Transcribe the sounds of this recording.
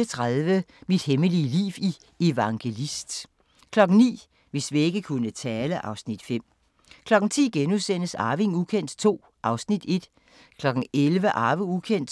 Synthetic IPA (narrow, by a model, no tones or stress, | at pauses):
ət͡sʰʁaðˠʋəmid̥heməliəlḭːʋi | e̝ʋɑ̈ŋɡ̥e̝lisd̥ | kʰlɒ̽ɡ̥n̩nḭː | ʋe̝sʋie̝ɡ̥əkʰunət͡sʰɛːləʔɑ̈ʊsnid̥fem̰ | kʰlɒ̽ɡ̥n̩t͡sʰḭːɡ̥enusen̰əsɑ̈ːʋe̝ŋukʰen̰d̥t͡sʰo̝̰ː | ʔɑ̈ʊsnid̥e̝d̥ | kʰlɒ̽ɡ̥n̩elʋəʔɑ̈ːʋəukʰen̰d̥